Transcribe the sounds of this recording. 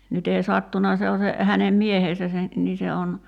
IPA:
nyt ei sɑtːunɑ se o se hænem miehesæ se niː se on

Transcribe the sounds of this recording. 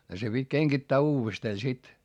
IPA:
se pitʲ keŋkitːæː uːʋesteː sit

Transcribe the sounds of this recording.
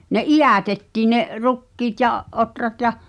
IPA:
ne ʔijæˑtetːiːn̆ neʔ rukːiːt jɑʔ ʔotrɑt jɑh̆

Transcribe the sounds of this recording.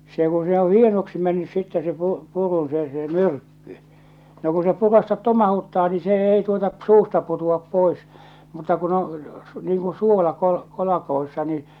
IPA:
se ku se õː hienoksi menːys sitːɛ se pu purun se se myrkːy no ku se purɑstɑt tomɑhutːɑː niː se ei tuotɑ p suːstɑ putuɑp pois mutːɑ kun o niːŋ kũː suolɑ kol niːn

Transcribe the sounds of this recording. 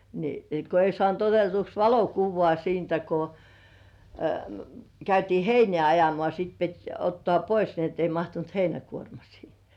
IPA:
ni ko ei sŏɑˑnt otetuks ʋɑlokuʋːŏɑˑ siːntæ ko kæytiː heinĕæˑ ɑjomŏɑˑ siːt pit otːŏɑˑ pois ni etː ei mɑhtunt heinækuormɑ siːhe̥

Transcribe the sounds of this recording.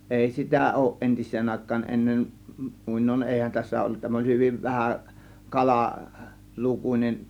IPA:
ʔeˑi sitæ oˑŭʔ ʔentisˑeːn ɑˑe̝kˑɑːn ʔenːen muˑinoin ʔeˑihæn tæsːæ olːut tæmæ olʲ hyʋiʋ ʋæhæ kɑlɑ lukunʲen

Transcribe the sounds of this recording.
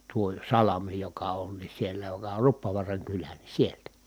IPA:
tuo sɑlɑmi jokɑ on ni sielæ jokɑ or rupːoʋuɑrɑŋ kylæ ni sieltæ

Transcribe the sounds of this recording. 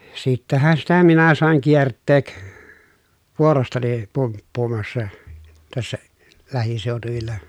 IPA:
sitːæhæn sitæ minæ sɑˑeŋ kiertːeːk ʋuorostɑni pumpːuːmɑsːɑ tæsːæ læhiseˑotuʋilːɑ

